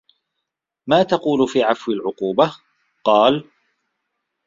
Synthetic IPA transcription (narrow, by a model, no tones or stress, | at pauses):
maːt̪ɑquːlʊfiːʕafwɪlʕʊquːba | qɑːl